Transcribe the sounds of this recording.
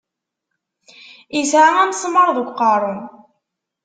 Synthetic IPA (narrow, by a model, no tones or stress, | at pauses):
isʕamænsˤməɾˤðuɡʷqɑɾˤʊn